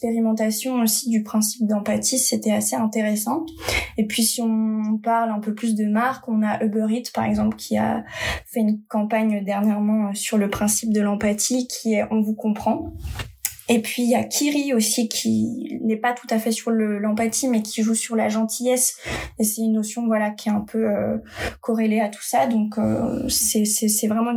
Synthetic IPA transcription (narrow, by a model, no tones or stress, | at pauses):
kspeʁimɑ̃t̪asjɔ̃osid̪ypχɛ̃si̥p̚d̪ɑ̃pat̪iset̪ɛaseɛ̃t̪eʁesɑ̃epɥisiɔ̃paʁlɛ̃pøplys̬d̪əmaʁkɔ̃naʔøbøʁit̪paʁɛɡzɑ̃plkʲʰia̰fɛynkɑ̃paɲd̪ɛʁnjɛʁmɑ̃øsyʁləpχɛ̃sip̚d̪əlɑ̃pat̪ʰikʲʰiɛʔɔ̃vukɔ̃pχɑ̃ | epɥijakʲʰiʁiosikʲʰinɛpat̪u̥t̪afɛsyʁləlɑ̃pat̪ʰimɛkʲʰiʒusyʁlaʒɑ̃t̪ʰijɛsesɛynːosjɔ̃vwalakʲʰɛɛ̃pʰøøkɔʁeleat̪ʰu̥sad̪ɔ̃kø̰sɛsɛsɛvʁɛmɑ̃